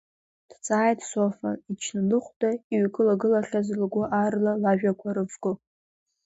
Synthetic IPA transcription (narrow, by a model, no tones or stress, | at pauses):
d̥t͡sʼaːjtʰʼsofa̰it͡ʃʰnalɨχʷdʼaiɥkʰʼɨlaɡɨlaχʲazlɡʷʊʔarlalaʒᶣakʷʰaɾɨvɡʊ